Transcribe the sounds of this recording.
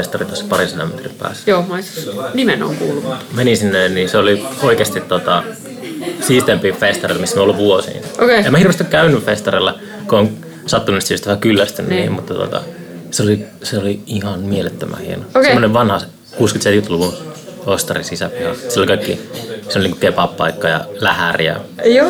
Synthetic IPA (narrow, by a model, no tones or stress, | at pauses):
est̪ɑrit̪ɑsːpɑrinselo̰met̪rḭmpæ̰ːsːjoːmɑissnimeno̰ŋkuːlːumumenisinːenninseolioikest̪it̪t̪ot̪ɑ | siːst̪empifest̪ɑrelmisːænoluʋʋuosḭːnʔokeemːæhirʋest̪ikkæynːyffest̪ɑrelːɑ | kooːŋ | sɑt̪ːununit̪sist̪ʋhækylːæst̪ynːnḭːmmut̪ːɑt̪o̰t̪ɑ̰ | seoli | seoliihɑnmielet̪ːømæ̰hiḛnosemːoneʋʋɑnhɑ | kuːskyt̪seit̪kyt̪luʋunost̪ɑ̰risisæpihɑsilolikɑikːḭsiolʲiniŋkukepɑppɑ̰ikːɑjɑ̰læhærjɑ̰jo